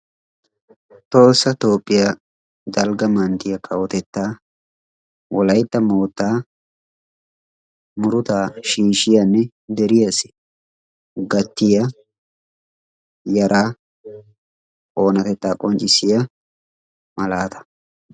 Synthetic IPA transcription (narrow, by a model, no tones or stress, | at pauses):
t̪o̞ːsːɐt̪o̞ːpʼːɪja | d̪ɐlɡɐmɐnt̪ɪjɐkʰɐwɔt̪ɛt̪ːaː | wɔlɐjt̪ːɐmoːt̪ːaː | mʊɾʊt̪aːʃiːʃɪjɐnːɛ | d̪ɛɾɪjasɪ̥ | ɡɐt̪ːɪjɐ | jɐɾʔaː | o̞ːnɐt̪ɛt̪ːaːkʼɔnt͡ʃʼːɪsɪjɐ | mɐlaːt̪ɐ̥